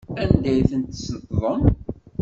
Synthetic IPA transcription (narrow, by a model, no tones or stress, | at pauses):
ænd̪æjθənt̪sət̪ːðˤəm